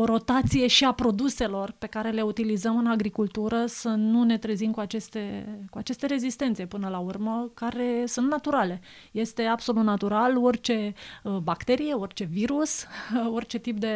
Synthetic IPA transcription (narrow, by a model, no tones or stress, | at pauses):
oɾo̞t̪at̪sije̞ʃiapɾo̞d̪use̞lo̞rpe̞kaɾe̞le̞ut̪ilizəmɨnaɡɾikult̪uɾəsənune̞t̪ɾezimkuat͡ʃe̞st̪e̞kuat͡ʃe̞st̪e̞ɾe̞zist̪e̞nt̪sepɨnəlaurməkaɾe̞sunt̪nat̪uɾale̞ | je̞st̪e̞abso̞lut̪nat̪uɾalo̞rʲt͡ʃe̞bakt̪e̞ɾije̞o̞rt͡ʃe̞viɾuso̞rʲt͡ʃe̞t̪ip̚d̪e̞